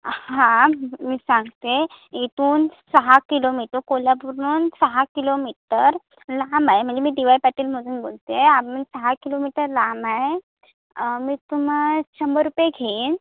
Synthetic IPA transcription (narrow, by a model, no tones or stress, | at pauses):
ɦãmiːsãŋɡt̪eit̪uːnsəɦakilomiʈəkolabuɾuːnsəɦakilomiʈəɾ | lamaɦem̤əɳd͡zemiːd̪iʋaipæʈiːlm̤əd͡zuːnbo̰lt̪eapənsəɦakilomiʈəɾlamae | miːt̪um̤at͡ɕəmbəɾupeɡʱen